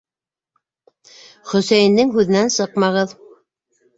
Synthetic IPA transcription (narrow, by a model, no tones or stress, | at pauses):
χɵ̆sæjɘ̆nd̪ɘŋɦʉðɘ̆nænsɤqmɑʁɤð